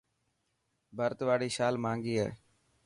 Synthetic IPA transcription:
bʱəɾt̪ʋaːɽiːʃaːlmãːŋɡiːɦɛ̰ː

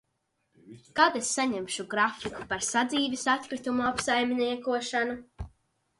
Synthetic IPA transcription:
kaːd̪esːaɲemʃuɡɾafiku̥paɾsad̪ziːvisat̪̚kɾit̪umuapsajmniɛkuɔʃanu

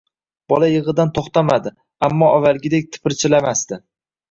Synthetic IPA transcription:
b̥ɒlajɨʁɨd̪ant̪ʰoχt̪amad̪ɪ | amːɒʔavːalˠɡʲɪd̪ek̚ʲt̪ʰɪ̥pɪɾt͡ʃʰɪlamast̪ɪ

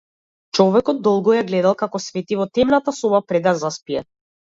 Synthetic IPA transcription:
t͡ʃɔvɛkɔd̪̚ːɔlˠɡɔjaɡlɛd̪alˠkakɔsvɛt̪ivɔt̪ɛmnat̪asɔbapɾɛd̪azaspiɛ

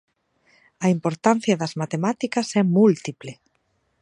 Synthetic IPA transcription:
ɐimpoɾt̪an̟θjɐðɐzmat̪emat̪ikɐsɛmult̪iplɪ

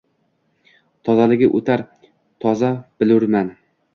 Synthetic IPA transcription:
t̪ʰɒzalɪɡʲɪʔot̪ʰaɾ | t̪ʰɒzab̥ɪlʊɾman

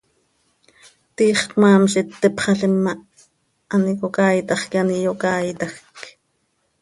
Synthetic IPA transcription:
t̪iːχkmɑːmʃit̪ːepχɑɬimːɑ | ɑnikokɑːjt̪ɑχkɑnijokɑːjt̪ɑxk

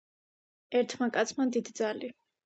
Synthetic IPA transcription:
ɛɾt̪ʰmakʼat̪sʰmad̪id̪id̪zali

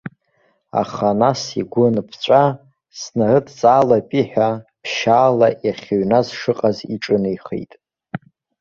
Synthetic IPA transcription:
a̰χanasiɡʷʊnpʰt͡ɕʷʼa | snarɨtʰt͡sʼaːlapʼiħʷᶣapʰʃaːlaʔjaχʲeɥnazʂɨqʼazḭʈ͡ʂʼɨnɨjχḛjtʼ

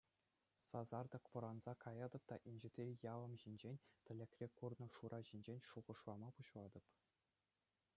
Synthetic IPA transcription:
sɑzɑrd̪ɤ̆kʋɤ̆ɾɑnzɑkʰɑjɑd̪ɤ̆p̚t̪ɑʔinʲʑɘ̆t̪ʲejɑlɤ̆mʑinʲd͡ʑenʲt̪ʲɘ̆lʲɘ̆kʲrʲekurnɤ̆ʂuɾʔɑʑinʲd͡ʑenʲʂuʁɤ̆ʂlˠɑmɑpuɕlˠɑd̪ɤ̆p

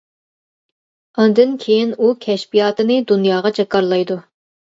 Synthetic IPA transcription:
ɑnd̪ɨnkʲʰejinukʲʰɛʃpijɑːt̪ɨnɨd̪unjɑːʁɑd͡ʒɑkɑɾlˠɑjd̪u

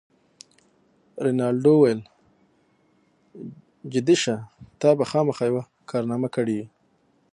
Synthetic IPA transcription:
ɾɪnɑɽɖowajəl | d͡ʒɪd̪iʃat̪ɑbaxɑmaxɑjawa | kʰɑɾnɑmakəɽiwi

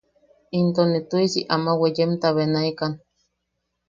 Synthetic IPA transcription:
int̪onit̪uisiʔamawejemt̪aβenaikan

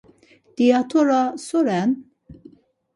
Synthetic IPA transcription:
d̪̥iat̪ʰɔɾasɔɾɛn

